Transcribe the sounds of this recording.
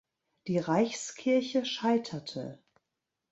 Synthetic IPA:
d̥iːʁaɪçskʰɪɐçəʃaɪtʰɐtʰə̰

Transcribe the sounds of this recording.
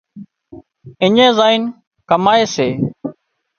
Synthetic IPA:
ɪɲẽːzaːin | kəmaːeːseː

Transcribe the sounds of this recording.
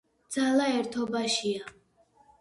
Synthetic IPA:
d̪z̥alaɛɾt̪ʰɔbaʃia

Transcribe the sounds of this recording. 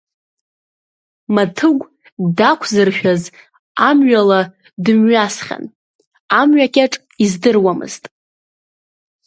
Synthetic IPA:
matʰɨɡʷ | dakʷʰzɨrʃᶣaz | amɥala | dɨmɥasχʲa̰n | amɥakʲʼaʈ͡ʂʼ | izdɨrwamɨ̰ztʼ

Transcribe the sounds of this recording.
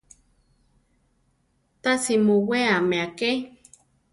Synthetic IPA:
t̪asimuweameake

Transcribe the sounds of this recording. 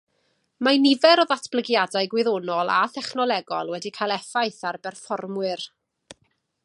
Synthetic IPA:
manɪvɛɾɔðatʰb̥ləɡjadajɡwɪðonɔlˠa̰θɛχnɔlˠɛɡɔ̰lˠwɛdikʰajlˠɛfajθarbɛrfɔrmwɨr

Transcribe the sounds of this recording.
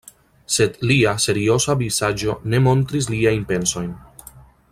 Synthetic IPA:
se̞dliase̞ɾio̞savisad͡ʒo̞ne̞mo̞ntɾis̬liajnpe̞nso̞jn

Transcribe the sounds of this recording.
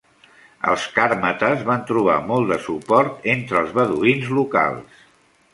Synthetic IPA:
ə̰lˠskaɾmət̪əzβant̪ɾuβ̞a̰mɔlˠd̪əsupɔɾt̪ent̪ɾəlˠzβəðuinzluka̰lˠs

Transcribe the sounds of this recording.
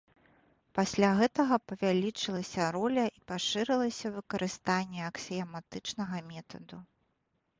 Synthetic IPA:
pasʲlʲaɣɛt̪ɐɣɐpɐvʲalʲit͡ʂɨlˠɐsʲɐɾɔlʲɐʔipaʂɨɾɨlˠɐsʲɐvɨkɐɾʔɨst̪anʲːɛɐksʲɛɐmat̪ɨt͡ʂnɐɣɐmʲɛt̪ɐd̪u

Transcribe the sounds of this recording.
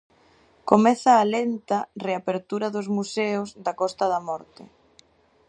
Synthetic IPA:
komɛθaːlent̪ɐreapeɾt̪uɾɐðʊzmuseʊzðakɔst̪ɐðamɔɾt̪ɪ̰

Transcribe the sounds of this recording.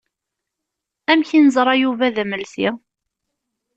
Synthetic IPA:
æmçinəzˤɾˤɑjuvæðæməlθi

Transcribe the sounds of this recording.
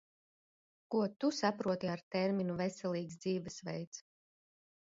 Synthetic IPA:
kuɔt̪usapɾuɔt̪iaɾt̪ɛɾminuvɛsɛlˠiːksd̪ziːvɛsvɛ̰jt̪s

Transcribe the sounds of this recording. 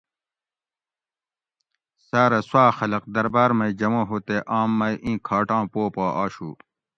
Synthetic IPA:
saːɾɐswaːxɐlɐq̚d̪ɐɾbaːɾmɐid͡ʑɐmõːɦoːt̪eʔaːmːɐiʔĩːkʰaːʈãːpoːpaːʔaːɕṵː

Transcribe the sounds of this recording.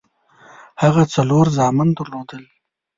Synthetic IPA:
haɣat͡saloɾzɑmɪnd̪əɾlod̪əl

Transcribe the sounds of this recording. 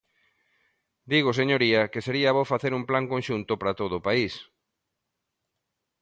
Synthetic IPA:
d̪iɣ̞ʊseɲoɾiɐkɪseɾiaβofaθeɾumplaŋkõnʃunt̪ʊpɾat̪oðʊpais

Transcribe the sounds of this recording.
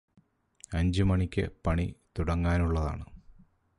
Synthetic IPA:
ɐɲd͡ʑɨmɐɳikʲːɨ̰pɐɳḭt̪uɽɐŋːaːnuɭːɐða̰ːɳɨ

